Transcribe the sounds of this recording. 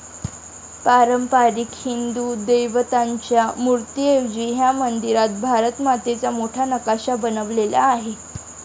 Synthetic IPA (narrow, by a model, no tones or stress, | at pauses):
paɾəmpaɾikhind̪ud̪ejʋət̪aɲt͡ɕjamuɾt̪ieʋd͡ʑiːɦjamənd̪iɾat̪̚bʱaɾət̪mat̪et͡samoʈʰanəkaɕabənəʋlela̰ːɦe